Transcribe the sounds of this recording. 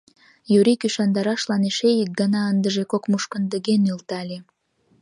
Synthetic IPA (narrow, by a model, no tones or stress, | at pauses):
juɾikyʃɑnd̪ɑɾɑʃlɑneʃejək̚ɡənɑənd̪əʒekokmuʃkənd̪əɣenylt̪ɑlʲe